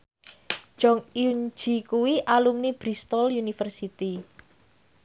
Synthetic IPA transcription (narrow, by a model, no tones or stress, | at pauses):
d͡ʒ̥ɔŋind͡ʒikuwiʔalumnib̥ɾist̪ɔljunifərsit̪i